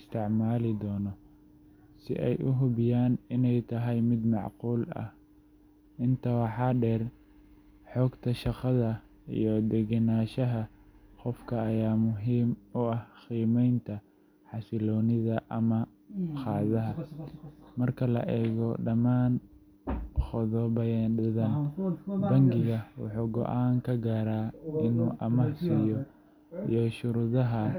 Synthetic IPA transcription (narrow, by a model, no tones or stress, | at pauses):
ɪst̪ʰɪʕmaːlɪd̪ɔːnɔ | sɪ̰ʔɛjʔʊɦʊβɪjaːnɪnɛjt̪ʰɐɦɛjmɪd̪mɑʕquːlɐ̰h | ɪnt̪ʰɐwɑħɑːɖɛːr | ħɔːɡt̪ʰɐʃɑqɑðɐ | ḭjɞd̪ɛɡɐnaːʃɐɦɐqɔfkʰɐːjaːmʊɦiːmʊɐhxiːmɛjnt̪ʰɐ | ħɑsɪlɔːnɪðɐʔɐmɐ | qɑːðɐɦɐ | mɐrkʰɐlɐ̰ʔɛːɣɔɖɐmaːn | χɔðɔːbɐjɛɖɪðɐnbɐŋɡɪɣɐwɑ̰ħuːɡɔ̰ʔaːŋkʰɐɡaːɾaːɪnuːʔɐmɑħsijɔ | ḭjɔʃʊɾuːðɐɦɐ